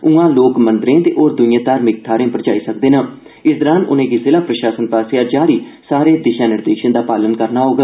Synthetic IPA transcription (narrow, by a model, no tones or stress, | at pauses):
uãːloːkmənd̪ɾẽːt̪eːʔoːɾd̪ʊnɪjãːt̪aːɾmɪk̚t̪ʰaːɾẽːpəɾd͡ʒaːiːsəkd̪eːnãː | ɪsd̪ɔːɾaːnʊ̰nẽːɡisɪlãːpɾəʃaːsənpaːseaːd͡ʒaːɾiːsaːɾeːd̪ɪʃaːnɪɾd̪eːʃənd̪aːpaːlənkəɾnaːɦoːɡ